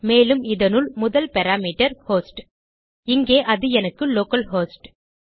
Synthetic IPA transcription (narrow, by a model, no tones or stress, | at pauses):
meːlɯmɪðɐnɯɭmʊðɐlpɐɾaːmiːʈɐɾhoːsʈ | ɪŋɡeːʔɐðɯɛnɐkːɯloːkɐlɦoːsʈ